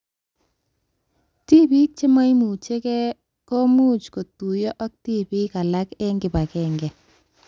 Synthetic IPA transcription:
ti˦pi˦t͡ʃɪ˦ma˦jmu˨t͡ʃe˦kɛ˦ | kɔ˦mu˦˨t͡ʃko˨tu˨jɔ˦ʔa˦k̚ti˦pi˦ka˨la˦kɛ˦ŋɡɪ˨pa˨kɛ˨ŋɡɛ˨

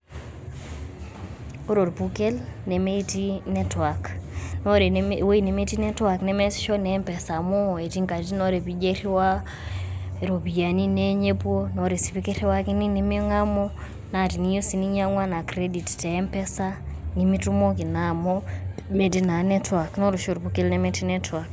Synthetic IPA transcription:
o˦ɾo˨ɾbu˨ke˦lne˨me˦ti˦nɛ˦twa˨kno˦ɾe˨we˦i˨ne˨me˦ti˦nɛ˦twa˨knɛ˨˦mɛ˦sʃɔ˦nɛ˨˦mpɛ˨sa˨mo˦e˨ti˦ŋka˨ti˦nɔ˦ɾe˨pi˦d͡ʒe˦ɾi˦wa˦ | e˨ɾo˨bi˨ja˨ni˦ne˦ɲe˦po˦nɔ˨ɾe˨si˨pi˦ke˦ɾi˦wa˦ki˦ni˦ni˨me˦ŋa˦mɔ˦ | na˨ti˨ni˨˦jo˦si˦ni˦ɲa˦ŋwa˦na˨kɾe˦di˨ttɛ˨˦mpɛ˦sa˦ | ni˨mi˦tu˦mo˦ki˨na˨mɔ˦me˦t̬i˦na˨nɛ˦twa˨kno˦ɾo˨ʃo˨ɾbu˨˦ke˦lnɛ˨mɛ˦ti˦nɛ˦twa˨k

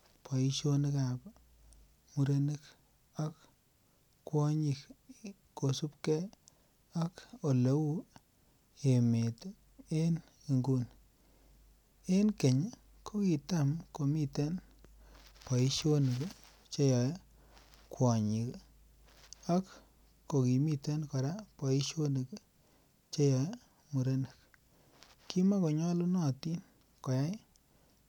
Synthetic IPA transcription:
pʰa˨i˦ʃo˦nka˨p | mu˦ɾe˦ni˦k | a˦k | kwɔ˦ɲi˨k | ko˨su˦pkɛ˦ | a˦ko˨le˦wu˦ | e˨me˨t | e˦n | i˨ŋɡu˦n | e˦nke˨ɲ | kʰo˦ki˨ta˦˨mko˨mi˦te˦n | pa˨i˦ʃo˦n˨k | t͡ʃe˦jɔ˨j | kwɔ˨ɲi˨k | a˦k | ko˨ki˨mi˦te˦nkɔ˨ɾa˦pa˨i˦ʃo˦ni˨k | t͡ʃe˦jɔ˨j | mu˨ɾe˦nɨ˨k | ki˦ma˦ko˨ɲɔ˦lu˦nɔ˦ti˦n | kɔ˨ja˦j

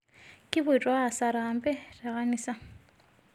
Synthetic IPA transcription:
kʼɪβʊ˨i˨tʼwa˦a˨sa˨ɾa˨mbʼɛ˦rɛ˨ɣa˦niːsa˦

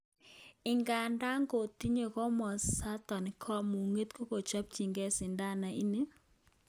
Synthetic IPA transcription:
ɪ˨ŋɡa˨nda˦ŋɡo˨t̪i˦ɲe˦˨kɔ˦mɔ˨sa˦t̪ɔ˨nɪ˨kʰɔ˦mu˨ŋe˦t̪ko˦ko˨t͡ʃa˦p̚t͡ʃi˨ŋɡɛ˦sɪ˨nda˦na˨i˦ne˦

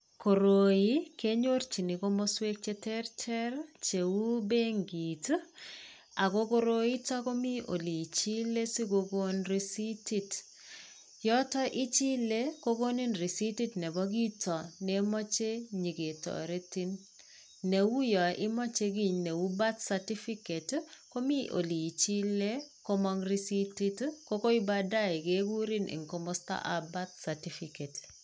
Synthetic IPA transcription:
ko˨ɾo˨ji˦ke˦ɲo˦rt͡ʃi˨ni˨ko˦mɔ˦swe˦k̚t͡ʃe˦tɛ˦rtʰɛ˦ɾt͡ʃe˨wu˦be˦ŋɡi˨t | a˨ko˦ko˦ɾo˦i˦tɔ˦ko˦mi˦ʔo̰˨li˨t͡ʃi˦le˦si˦ɡo˦ɡo˦nɾi˦si˦ti˦t | jɔ˦tɔ˦ʔi˦t͡ʃi˦le˦ko˦ɡo˦ni˦nri˨si˦ti˦tnɛ˨bɔ˦ɡi˦tɔ˨ne˦mɔ˦t͡ʃe˦ɲi˨ɡe˨tɔ̰˨ɾe˦ti˦n | ne˨wu˦jɔ˨ɪ˦mɔ˦t͡ʃe˦ɡi˦˨ɲne˨wu˦ba˦t̪sa˨ti˦fi˦ke˨tko˦mi˦ʔo̰˨li˨i˨t͡ʃi˦le˦ko˦mɔ˦ŋɾi˦si˦ti˦tko˦ko˦i˦ba˦da˦ɪ˨ɡe˦ɡu˦ɾi˦nʔḭ˨ŋko˨mo˦sta̰˦ʔa˨ba˦t̪̚sa˨ti˦fi˨ke˨t

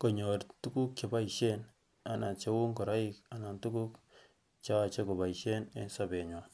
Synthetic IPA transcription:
kɔ˨ɲo˨ɾtu˦ku˦k̚t͡ʃe˨ba˦i˨ʃe˦n | a˨na˨t͡ʃe˦wu˦ŋkɔ˨ɾa˦ji˦ka˨na˨ntu˦ku˦k | t͡ʃa˦a˨t͡ʃe˦ko˨ba˨i˨ʃe˦ne˦nsa˦be˨ɲo˨

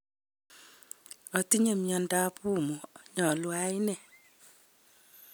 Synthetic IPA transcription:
ɔ˨ti˦ɲe˨mjɔ˨nda˦pu˦mu˨ɲɔ˨lwa˦i˦nɛ˨

